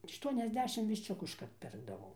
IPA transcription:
ˌɑːʃtuɔnʲɛzʲˈdʲæːʃʲɪm ʋʲɪʃʲˈt͡ʃʲʊkʊ ɪʃˈkɐrt ˈpʲɪrɡdɐʋɐʊ

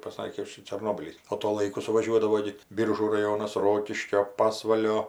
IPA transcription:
pɐˈsɑːkʲeː ˈʃʲɪt͡ʃʲɛ t͡ʃʲɛrˈnoːbʲiːlʲiːs oː toː ˈlˠɐɪkʊ sʊʋɐˈʒʲuɔdɐʋoː ɡʲɪ ˈbʲiːrʒuː rɐˈjoːnɐs ˈroːkʲɪʃʲkʲoː pɐsʋɐlʲoː

